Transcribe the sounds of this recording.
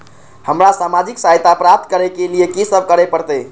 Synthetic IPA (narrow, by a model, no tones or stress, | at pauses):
həmɾasamad͡ʒiksajt̪apɾap̚t̪kəɾɛkeliekisəb̚ʱkəɾɛpəɾt̪ə